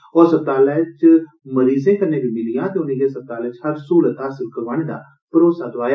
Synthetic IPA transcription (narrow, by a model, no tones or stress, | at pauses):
ɔːɾsəb̚t̪aːlɛːt͡ʃ | məɾiːzẽːkəɾneːbʱiːmɪlɪjãːt̪eːʊnĩːkeːsəb̚t̪aːlɛːt͡ʃhəɾsuːlət̪ɦaːsɪlkəɾʋaːñeːd̪a̰ː | pəɾoːsaːd̪ʊʋaːjaː